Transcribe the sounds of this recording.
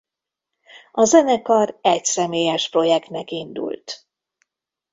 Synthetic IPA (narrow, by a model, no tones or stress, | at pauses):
ɒzɛnɛkɒrɛcsɛmeːjɛʃpro̞jɛkt̪nɛkind̪ṵlt̪